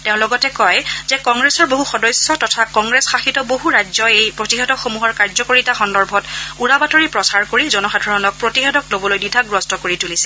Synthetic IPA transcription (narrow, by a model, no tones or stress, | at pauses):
teʊ̃lɔɡɔtɛkɔjzɛkɔŋɡɹɛsɔɹboɦuxɔdɔjsjɔtɔtʰakɔŋɡɹɛsxaxitɔboɦuɹazɔejpɹotiɦɛdɔkxomuɦɔɹkaɹzɔkoɹitaxɔndɔɹbʱɔtuɹabatoɹipɹɔsaɹkoɹizɔnɔxadʱɔɹɔnɔk̚pɹotiɦɛdɔklobɔlojdidʱaɡɹɔstɔkoɹitulisɛ